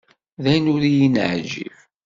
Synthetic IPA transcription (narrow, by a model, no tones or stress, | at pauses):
ðæjnʊɾijinʕd͡ʒḭv